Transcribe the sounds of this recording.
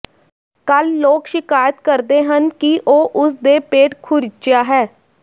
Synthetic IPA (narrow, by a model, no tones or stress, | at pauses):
kəlːoːkʃɪkaːjət̪kəɾd̪eːɦənkiʔoːʔʊs̬d̪eːpeːʈkʰʊɾɪt͡ʃjaːɦɛː